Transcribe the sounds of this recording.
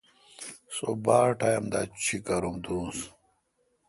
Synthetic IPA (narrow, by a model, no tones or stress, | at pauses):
so̰baːʈɐjɐmd̪at͡ɕʰikɐɾumd̪uːs